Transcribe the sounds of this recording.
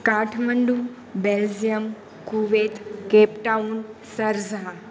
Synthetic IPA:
kaːʈʰməɳɖu | beld͡ʒjəm | kuʋeːt̪keːpʈaunsɐɾzɦa

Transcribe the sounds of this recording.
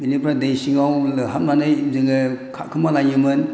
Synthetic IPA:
bilipʰɾadejsiŋawlɯɦat̚manɯjzɯŋɯkʰa̰kʰɯmalajɯmɯn

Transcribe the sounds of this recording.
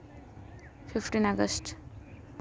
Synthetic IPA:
fʰipʰʈinaɡʌsʈ

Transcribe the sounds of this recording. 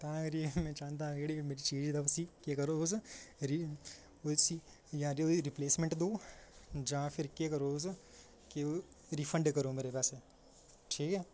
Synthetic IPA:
t̪ɐãkɾimɛ̃ːt͡ʃaːnt̪̬aãkeɽimeːɾit͡ʃẽːd͡ʒd̪ɐʋsikekɐɾooːsɾi | osi | jãɾioɾɪpleːsmẽɳʈd̪oːd͡ʒaãpʰɪɾkekɐɾoːs | keo | ɾifʰə̃ɳɖkɐɾomeːɾepɛːse | ʈʰiːkɛː

